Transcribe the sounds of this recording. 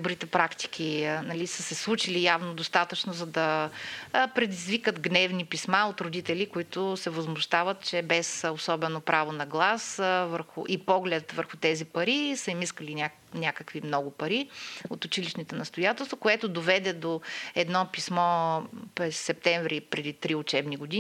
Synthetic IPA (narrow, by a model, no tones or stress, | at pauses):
bɾit̪ɛpɾakt̪i̥k̟ʰʲinɐlisəsɛslˠut͡ʃilijavnod̪ost̪at̪ət͡ʃnozɐd̪ɐ | pɾɛd̪izvikət̪ɡnɛvnipismaot̪ɾʊd̪it̪ɛlikoit̪ʊsɛvɐzmʊʃt̪avət̪̚t͡ʃɛbɛsosɔbɛnopɾʔavonɐɡlˠasvəɾxʊʔipɔɡlɛt̪vəɾxʊt̪ɛzipɐɾisəimiskəlinʲa | nʲakəkvimnɔɡʊpɐɾiot̪ʊt͡ʃiliʃnit̪ɛnɐst̪ʊjat̪ɛlˠst̪vokoɛt̪ʊd̪ovɛd̪ɛd̪oɛd̪nɔpismɔpɾɛsːɛp̚t̪ɛɱvɾipɾɛd̪it̪ɾiʊt͡ʃɛbniɡʊd̪i